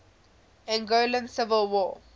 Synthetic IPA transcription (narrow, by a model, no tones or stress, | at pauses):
ɛ̃nɡolə̃nsɪvəlwɔ